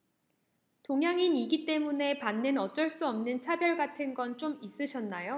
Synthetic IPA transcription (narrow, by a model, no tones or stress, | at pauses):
toŋɦjaŋiniɡit͈e̞mune̞panːɯnʌt͡ɕ͈ʌɭs͈uʌmnɯnt͡ɕʰabjʌɭɡatʰɯnɡʌnt͡ɕ͈omis͈ɯɕʰʌnːajo